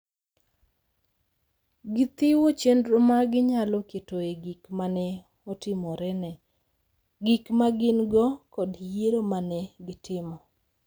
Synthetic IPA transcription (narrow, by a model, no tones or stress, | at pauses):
ɡɪt̪ɪwot͡ʃendɾomaɡɪɲalɔketoeɡikmanɛ | ɔtɪmɔɾɛnɛ | ɡikmaɡɪnɡɔkɔdjeɾomanɛɡɪtʰɪmɔ